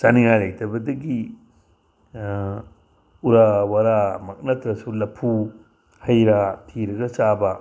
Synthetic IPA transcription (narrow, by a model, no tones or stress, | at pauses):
saniɾajlɐjtʰɐbɐdɐɡi | uɾawaɾamɐk̚nɐtɾɐsulɐpʰu | hɐjɾɐtʰiɾɐɡɐsabɐ